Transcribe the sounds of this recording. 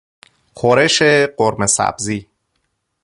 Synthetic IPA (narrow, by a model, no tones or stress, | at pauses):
xoɾeʃeɢoɾmesæ̰b̥ziː